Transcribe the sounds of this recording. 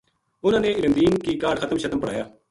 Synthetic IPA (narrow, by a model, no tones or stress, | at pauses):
ʊn̤ãːneːɪɾənd̪iːnkiːkaːɖxʰət̪əmʃət̪əmpəɽa̰ːjaː